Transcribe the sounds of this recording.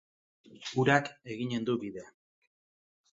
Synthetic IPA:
uɾake̞ɣiɲe̞nd̪uβiðea

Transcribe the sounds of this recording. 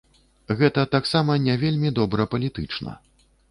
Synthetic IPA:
ɣɛt̪ɐt̪aksamɐnʲɛvʲelʲmʲid̪ɔbɾɐpɐlʲit̪ɨt͡ʂnɐ̰

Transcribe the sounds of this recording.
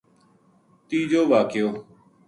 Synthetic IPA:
t̪iːd͡ʒoːʋaːkɪjoː

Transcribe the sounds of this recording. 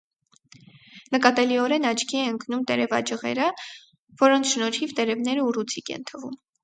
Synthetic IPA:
nəkɑt̪ɛliɔɾɛnɑt͡ʃkiɛəŋknumt̪ɛɾɛvɑ̰d͡ʒəʁɛ̰ɾə | vɔɾɔnt͡sʰʃnɔɾhivt̪ɛɾɛvnɛɾəurut͡sʰikɛ̰nt̪ʰəvum

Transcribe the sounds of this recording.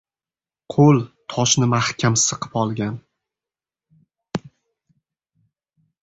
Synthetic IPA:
qʰolˠt̪ʰɒʃnɪmahkʲʰamsɨqʰɨ̥pɒlˠɡʲan

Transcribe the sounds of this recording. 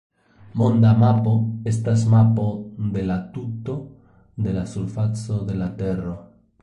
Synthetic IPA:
mond̪amapo̞est̪as̬mapo̞d̪e̞lat̪ut̪o̞ | d̪e̞lasuɾfat͡so̞d̪e̞lat̪e̞ro

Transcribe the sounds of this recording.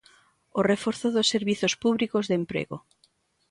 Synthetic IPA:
orefoɾθʊðʊsːeɾβiθospuβlikozðempɾḛɣo̰

